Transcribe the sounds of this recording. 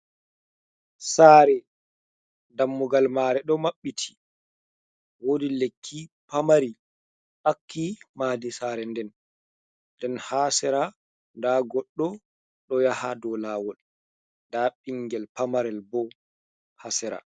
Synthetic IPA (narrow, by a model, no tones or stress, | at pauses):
saːɾɛ | damːuɡalmaːɾɛɗɔmaɓːitʰi̥ | wodilekʰːipamaɾi | ʔakʰːimaːdisaɾɛndɛn | dɛnhasɛɾa | ndaɡɔɗːɔ | ɗɔjaha̰dɔlaːwɔl | ndaɓiŋɡɛlpamaɾɛlbɔ | hasɛɾa̰